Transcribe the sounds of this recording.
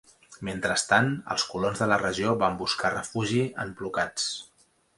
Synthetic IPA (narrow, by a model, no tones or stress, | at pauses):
ment̪ɾəst̪anə̰lˠskulonzðələrəʒioβambuskarəfuʒiə̰mplukat͡s